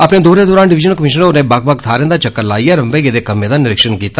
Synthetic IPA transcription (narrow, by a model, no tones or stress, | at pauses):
əpneːd̪oːɾeːd̪oːɾãːnɖɪʋɪd͡ʒənəlkəmɪʃənonẽːbak̚bəkt̪ʰaːɾẽnd̪aːt͡ʃəkːəɾlaːiːɛːɾəmbeːɡeːd̪eːkəmːẽːd̪aːnɪɾɪkʃənkiːt̪aː